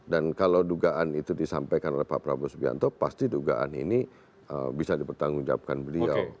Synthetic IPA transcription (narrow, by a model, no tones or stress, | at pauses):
dankalawduɡaʔanit̪udisampajkanolɛhpapɾabusbia̰nt̪ɔpast̪iduɡa̰ʔa̰nḭni | əbisadipərt̪aŋɡud͡ʒa̰p̚kanbəliaw